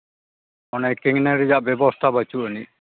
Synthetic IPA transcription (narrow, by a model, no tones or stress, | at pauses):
ɔnekːiŋneɾid͡ʒaʔbɛbɔst̪ʰabat͡ʃuʔəni